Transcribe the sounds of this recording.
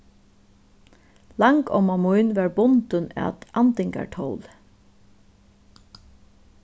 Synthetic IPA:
laŋkɔ̰mamujnʋaɹbʊnt̪əna̰t̪ant̪ɪŋka̰ɹʈʰowl

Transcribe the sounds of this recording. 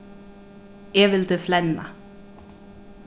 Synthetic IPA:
ɛvɪld̪əflɛnːa̰

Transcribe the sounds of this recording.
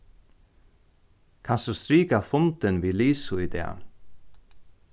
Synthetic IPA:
kʰansust̪ɾiːkafʊnt̪ɪnviːliːsuid̪ɛ̰a̰

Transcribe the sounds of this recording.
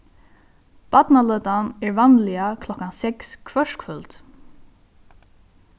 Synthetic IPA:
pat̪nalœːt̪anɛɹvanlɪakʰlɔhkansɛkskʰvœʂkʰfʏlt̪

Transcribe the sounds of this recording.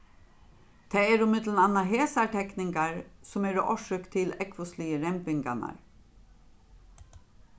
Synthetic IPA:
t̪ʰɛːɛɾʊmɪt̪lənanːaɦeːsaʈʰɛknɪŋkaɹsɔmɛɾɔʔɔʂʏkt̪ʰɪlɛkʋʊsliəɾɛmpɪŋka̰na̰ɹ

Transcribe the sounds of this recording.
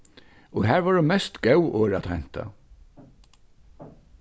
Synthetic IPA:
ɔɦæːɹʋaːɾumɛst̪ɡɛwʔoːɾat̪hɛn̥t̪ʰa̰

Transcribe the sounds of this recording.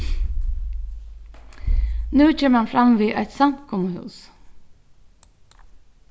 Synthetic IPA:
nʉːt͡ɕeːməhanfɾamʋiːʔæɪt̪sam̥kʰɔməhʉ̰ːs

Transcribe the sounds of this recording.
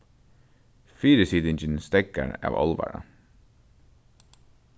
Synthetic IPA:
fiːɾəsiːd̪ɪnd͡ʒənst̪ɛkə̰ɾɑ̰ːʋɔ̰lʋə̰ɾə̰

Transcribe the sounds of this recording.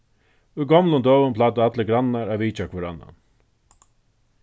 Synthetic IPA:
ʉɡɔmlʊnd̪œːʋʊmpʰlaːt̪̬aat̪ləɡɾanːaɾaʋiːt͡ʃakʰvɛɾa̰nːa̰n

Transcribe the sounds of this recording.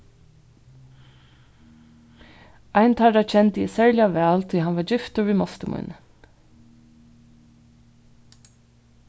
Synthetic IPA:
aɪnt̪ʰaɾat͡ʃʰɛnt̪əɪsɛɹlɪaʋɛːlt̪ʰiːɦanʋaɹd͡ʑɪft̪ʊɾvimɔst̪əmṵjn

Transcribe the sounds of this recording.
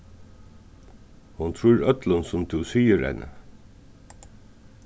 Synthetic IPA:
hʊnt̪ʰɾuːɾœt̪lənsʊmt̪ʰʉsiːəɾɛ̰nʔə̰

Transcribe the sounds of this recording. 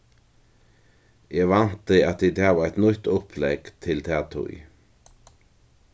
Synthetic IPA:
jeːɡʋɑnt̪əɑt̪̚d̪id̪ɑːʋæt̪nʏt̪ɔpʰlɛɡ̥t̪ʰɪlt̪ʰæːt̪ʰʊ̰ʏ

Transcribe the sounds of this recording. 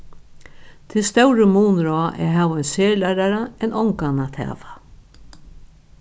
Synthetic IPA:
t̪ʰɪst̪œwɾəmuːnɾɔaʔɛ̰ɦaːvaɔjnseːlaɾaɾaɛnʔɔŋkanat̪hɛ̰ːva

